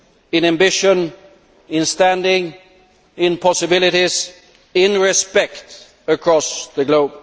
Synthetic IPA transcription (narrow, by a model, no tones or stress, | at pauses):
ɪ̃næ̃mbɪʃə̃n | ɪ̃nstæ̃ndɪ̃ŋ | ɪ̃npʰɑsɨbɪlˠɪɾiz | ɪ̃nɹɪspɛkt | əkʰɹ̥ɔsðɨɡloʊb̥